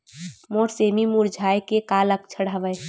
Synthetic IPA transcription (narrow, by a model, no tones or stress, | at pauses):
moɾsemimuɾd͡ʒʱajkekalək̚t͡ʃʰəɽ̤aʋəj